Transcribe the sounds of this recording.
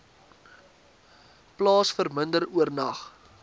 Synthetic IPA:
plɑːsfərməndəruərnɐχ

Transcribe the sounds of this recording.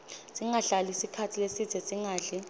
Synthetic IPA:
sʼiŋaɬalisikʰatʰilesidʰʱɛsʼiŋaːɮi

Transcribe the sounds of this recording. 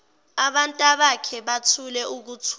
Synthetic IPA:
aɓantʼaɓakʰɛɓatʰulɛuk̬ut͡sʰ

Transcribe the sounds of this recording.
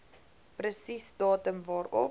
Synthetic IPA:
pɾəsisdɑːtəmvɑːɾɔ̰

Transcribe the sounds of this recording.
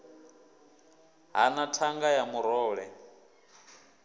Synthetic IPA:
ɦanatʰaŋɡajamuɾɔːɺɛ

